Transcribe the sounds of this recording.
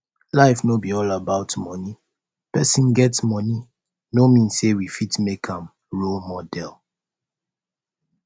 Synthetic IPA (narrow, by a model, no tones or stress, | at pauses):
laɪfnobiɔlabaʊtmɔni | pɛsĩnɡɛtsmɔni | nomĩnsewifitmekʰãm | ɹolmɔdɛl